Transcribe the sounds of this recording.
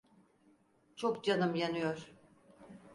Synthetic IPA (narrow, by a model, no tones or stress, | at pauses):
t͡ʃʰokd͡ʒanɯmjanɯjoɾ̥